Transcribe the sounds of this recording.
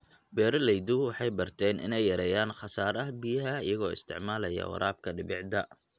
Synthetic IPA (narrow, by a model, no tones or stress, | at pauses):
bɛːɾɐlɛjd̪ʊwɑħɑjbɐrt̪ʰɛːnʔɪ̰nɛjːɐɾɛjaːnχɑsaːɾɐɦbijɐɦɐɪjɐɣɔːɪ̰st̪ʰɪʕmaːlɐjɐ̰wɑ̰ɾaːb̚kʰɐɖɪbɪʕd̪ɐ